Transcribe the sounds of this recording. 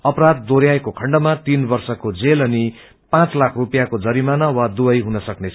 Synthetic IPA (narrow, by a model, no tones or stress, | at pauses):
ʌpɾad̪̚ːoɾjaekokʰʌɳɖʌmat̪inbʌrsʌkod͡zelʌni | pãt͡slakʰrupjakod͡zʌɾimanʌwad̪uʌjɦunʌsʌknet͡sʰ